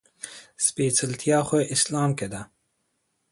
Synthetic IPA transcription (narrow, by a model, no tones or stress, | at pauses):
speːt͡sʰəlt̪ʰijaːxʷeʔɪslɑːmked̪ɐ